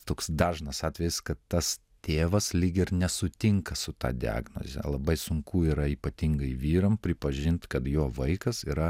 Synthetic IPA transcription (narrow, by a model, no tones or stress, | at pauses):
t̪oːksd̪ɑːʒnɐsɑːt̪ʲʋʲɛjɪskɐt̪t̪ɐs | t̪ʲeːʋɐslʲɪɡʲɪɾnʲɛsʊt̪ʲɪŋkɐsʊt̪ɑ̰ːd̪ʲɪɑ̰ːɡno̰zʲɛ̰lˠɐbɐɪsʊŋkuiːɾɐiːpɐt̪ʲiŋɡɐɪʋʲiːɾɐmpʲɾʲɪpɐʒʲɪnt̪kɐt̪joːʋɐɪkɐsiːɾɐ